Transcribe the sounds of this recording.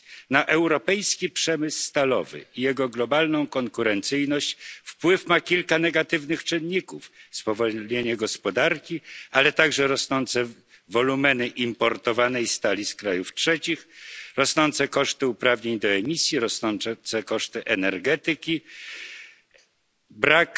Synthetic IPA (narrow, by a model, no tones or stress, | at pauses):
naʔɛwɾɔpɛjskʲipʂɛmɘsːt̪alɔ̰vɘ̰ijɛɡɔɡlɔbalnɔ̃w̃kɔŋkuɾɛnt̪sɘjnɔɕt͡ɕfpwɘfmakʲilkanɛɡat̪ɘvnɘxt͡ʂɘnʲɲikufspɔvɔlɲeɲɛɡɔspɔd̪aɾkʲialɛt̪aɡʐɛɾɔsnɔnt̪sɛ | vɔlumɛnɘʔimpɔɾt̪ɔvanɛjst̪alʲiskɾajuftʂɛt͡ɕixɾɔsnɔnt̪sɛkɔʂt̪ɘupɾavɲeɲd̪ɔɛmʲisʲjiɾɔsnɔnt̪sɛkɔʂt̪ɘʔɛnɛɾɡɛt̪ɘkʲi | bɾak